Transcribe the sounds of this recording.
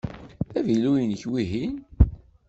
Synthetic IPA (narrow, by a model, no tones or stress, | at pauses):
θævilujənçwiɦin